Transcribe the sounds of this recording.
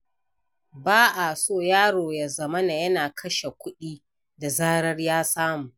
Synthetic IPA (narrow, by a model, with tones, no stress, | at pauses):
baː˦ʔa˨soː˦˨jaː˦ɽoː˨ja˨zɐ˦mɐ˦na˨jɐ˦naː˨kʰɐ˦ʃe˨kʷʊ˦ɗiː˦ | da˨zaː˦ɾɐ˦rjaː˦saː˦mu˨ʔ